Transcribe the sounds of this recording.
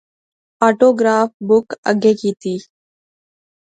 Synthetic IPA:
aːʈoːɡɾaːfbʊkə̰ɡeːkiːt̪iː

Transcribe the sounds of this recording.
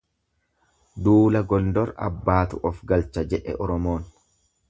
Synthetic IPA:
d̪uːlɐɡɔnd̪ɔɾɐ̰bːaːt̪ʊʔɔfɡɐlt͡ʃːɐd͡ʒɛʔɛ̰ʔɔɾɔmo̞ːn

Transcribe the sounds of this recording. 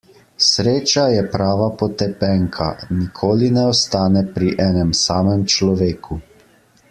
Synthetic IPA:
sɾeːt͡ʃajɛpɾaːʋapɔt̪ɛpɛŋkʰa̰nikʰoːlinɛɔst̪aːnɛpɾiʔɛːnɛmsaːmɛmt͡ʃlɔʋeːkʰu

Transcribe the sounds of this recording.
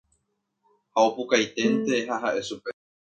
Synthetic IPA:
haopukajt̪e̞nt̪e̞ɦaɦaʔe̞supe

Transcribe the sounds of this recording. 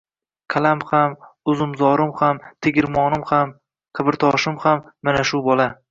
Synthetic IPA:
kʲʰalamhamʊzɪmzɒɾɪmhamt̪ʰeɡʲɪɾmɒnɪmham | qʰɨbɪɾt̪ʰɒʃɪmhamːanaʃʊbɒla

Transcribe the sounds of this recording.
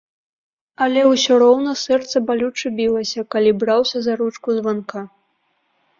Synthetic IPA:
ɐlʲɛwsʲɔɾɔwnɐsɛrt̪sɐbalʲut͡ʂɨbʲilˠɐsʲɐkalʲibɾawsʲɐzaɾut͡ʂkuzvanka

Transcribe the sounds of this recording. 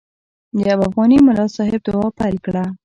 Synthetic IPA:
d̪əabafɣɑnimʊlɑsɑɦɪb̚d̪ʊwɑpajlkɽa

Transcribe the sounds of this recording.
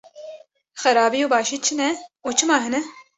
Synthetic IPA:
xɛɾɑːbijuːbɑːʃiːt͡ʃʰɨnɛuːt͡ʃʰɨmɑːɦɨnɛ

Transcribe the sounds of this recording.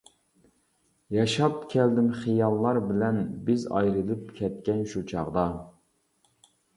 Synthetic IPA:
jɑʃɑpkʲʰɛld̪ɪmχijɑlˠːɑɾbɪlɛnbɪzɑ̰jɾɨlˠɨp̚kʲʰɛt̪̚kʲɛnʃut͡ʃʰɑʁd̪ɑ

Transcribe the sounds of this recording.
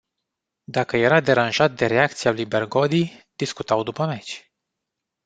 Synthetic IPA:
d̪akəje̞ɾad̪e̞ɾanʒat̪̚d̪e̞ɾe̞ak̚t̪sialujberɡo̞d̪id̪̥iskut̪awd̪upəmet͡ʃʲ

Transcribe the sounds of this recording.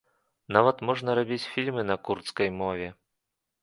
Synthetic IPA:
navɐt̪mɔʐnɐɾabʲit͡sʲfʲilʲmɨnɐkurt̪skɐjmɔvʲɛ

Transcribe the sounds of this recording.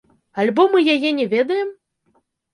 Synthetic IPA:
alʲbɔmɨjajɛnʲɛvʲɛd̪ɐjɛm

